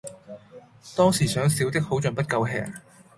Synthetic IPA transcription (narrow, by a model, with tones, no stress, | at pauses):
t̪ɔː˥ŋsiː˨˩sœː˨˥ŋsiː˨˥wt̪ɪ˥k̚ho˨˥wt͡ʃɵ˨npɐ˥t̚kɐ˧wɦɛ̰ː˨˩ŋ